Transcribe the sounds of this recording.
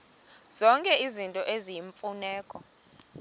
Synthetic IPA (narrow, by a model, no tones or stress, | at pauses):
z̥ɔŋkʼɛizintʼɔʔezijiɱfunɛːkʼɔ